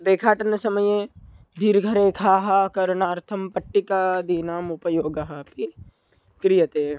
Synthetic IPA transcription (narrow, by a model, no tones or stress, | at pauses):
ɾeːkʰaːʈɐnɐsɐməje | d̪ʱiːɾɡʱɐɾeːkʰaːɦɐkɐɾɳaːɾt̪ʰɐmpɐʈːikaːd̪iːnaːmʊpɐjoːɡɐɦɐpi | kɾijɐt̪eː